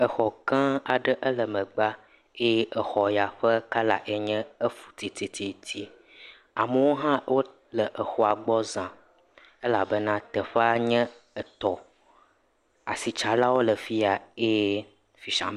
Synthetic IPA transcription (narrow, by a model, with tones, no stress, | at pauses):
ə˨xɔ˨kã˦a˨ɖə˦ʔə˦lə˨mə̃˨ɡ͡ba˦ | e˦ʔə˨xɔ˨ja˨ɸə˦ka˦la̰˨ʔe˨ɲɛ̃˦ə˦fu̥˨t̪i˨t̪i˨t̪ʰi˨t̪ʰi˦ | a˨mə˦wo˦ɦã˦wo˦ | lə˨ʔə˨xɔ˨a˨ɡ͡bɔ˦zã˨ | ə˦la˨bə˦nã˦t̪ə˨ɸə˦a˦ɲɛ̃˦ə˨t̪ɔ˨ | a̰˨si˨t͡ʃa˨la˦wo˦lə˨fi˦a˨e˦ | fi˨ʃã̰˨m˨